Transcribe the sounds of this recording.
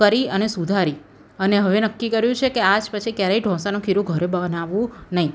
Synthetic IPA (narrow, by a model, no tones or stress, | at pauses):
əɾiənesud̪ʱaɾi | əneɦəʋenəkːikəɾjũt͡ʃʰekead͡ʒpət͡ʃʰikjaɾaiɖʱɔ̃sanũkʰiɾũɡʱəɾebənaʋũnəɦĩ